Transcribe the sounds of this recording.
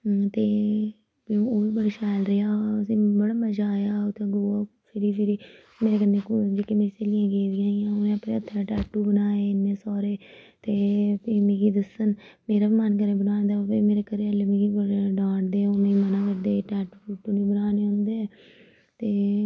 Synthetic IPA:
t̪eː | pĩːoːʋiːbəɽːʃɛːlɾəaːəsĩːbəɽaːməd͡ʒaːjaːot̪ẽːɡoːaː | pʰɪɾiːpɪɾiː | meːɾeːkənːẽːkd͡ʒeːkeːmeːɾiseːlɪjãːɡeːd̪ɪjãːiːãːʊnẽːəpnẽːət̪ʰːaːʈɛːʈːuːbənaːeːɪnːẽːsɔːɾeːt̪eːpiːmẽːɡiːd̪əsənmeːɾaːimankəɾeːbənaːnd̪aːpiːmeːɾeːkəɾeːəlemẽːɡiːbəɖãːɳd̪eːonẽːmənãːkəɾd̪eːʈɛːʈuːfuːʈːoːnẽːbənaːneːõːnd̪eː | t̪eː

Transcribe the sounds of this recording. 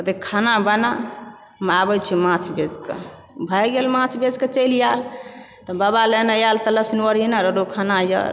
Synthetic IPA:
ət̪ekʰanabəna | mabət͡ʃʰumãt͡ʃʰbed͡ʒkḛ | bʱəjɡelmãt͡ʃʰbed͡ʒket͡ʃəjljal | t̪ɔbabalenəjalt̪ələpsnwəɾinəɾəɾokʰanajə̰ɾ

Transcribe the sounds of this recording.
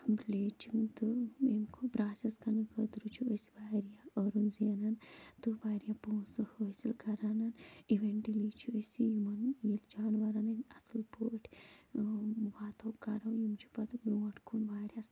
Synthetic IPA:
bleːt͡ʃiŋt̪ɨemkʰupɾaːsɐskɐnɨkət̪ɾut͡ʃʰuəsi̥ʋaːɾijaɐɾunzenɐnt̪ɨʋaːɾjapoːsɨhəsilkɐɾanɐniʋeɳʈiliːt͡ʃʰuəsʲijumɐnjild͡ʒaːnʋɐɾanɐnʲɐsɨlpoːʈʰʲ | ʋaːt̪ʰɐwkɐɾɐwjumt͡ʃʰu̥pɐt̪ɨbɾoːʈʰkʰunʋaːɾʲjas

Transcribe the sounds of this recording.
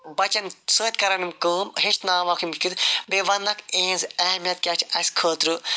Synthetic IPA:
bɐt͡ʃɐnsəːt̪kɐɾɐnimkəːmɦeʃt̪naːʋaːkʰimt͡ʃkid̪beʋɐnːɐkẽːnzɐɦmijɐt̪̚kʲɐt͡ʃʰɐsʲkʰəːt̪ɾɨ

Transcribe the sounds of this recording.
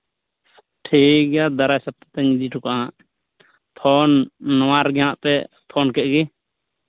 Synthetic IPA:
ʈʰiɡjad̪aɾajsap̚t̪ḁt̪ɛɲid̪iʈʰukaʔɦãʔ | pʰɔnːɔwaɾɡɛãʔpɛ | pʰɔnkɛʔ̚ɡi

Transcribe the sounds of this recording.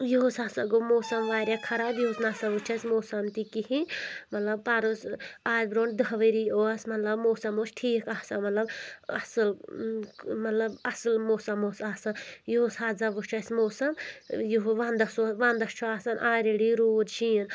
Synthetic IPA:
joosaːsɐɡomoːsɐmʋaːɾʲakʰɐɾaːbjoːsnaːsɐʋut͡ʃʰɐsʲmoːsɐmt̪ikihĩmɐt̪lɐb̚paːɾusaːd͡ʒʲbɾoːɳd̪ɐɦʋɐɾijoːsmɐt̪lɐbmoːsɐmoːsʈʰiːkaːsɐnmɐt̪lɐbɐsɨl | mɐt̪lɐbɐsɨlmoːsɐmoːsaːsɐnjoːsɦaːzɐʋut͡ʃʰɐsmoːsɐmjuɦʋand̪ɐsoʋãːnd̪ɐst͡ʃʰuaːsɐnʔaːɾʲiɽiɾuːd̪t͡ʃʰin

